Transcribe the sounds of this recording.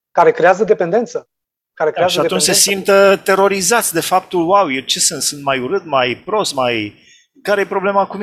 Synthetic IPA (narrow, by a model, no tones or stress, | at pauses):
kaɾe̞kɾe̞azəd̪e̞pe̞nd̪e̞nt̪sə | kaɾekɾeaʃiat̪unnt͡ʃse̞simt̪ət̪e̞ɾo̞ɾizat̪sʲd̪e̞fap̚t̪ulwawjert͡ʃesɨnt̪sɨnt̪majuɾɨt̪majpɾo̞st̪maj | kaɾejepɾo̞ble̞makum